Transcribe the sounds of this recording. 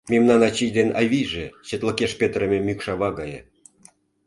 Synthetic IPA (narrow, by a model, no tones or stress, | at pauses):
mʲemnɑnɑt͡ɕijd̪enɑ̰jβʲijʐĕt͡ɕĕt̪lˠəkʲeʃpʲet̪rə̆mʲĕmʲykʃɑβɑɡɑjḛ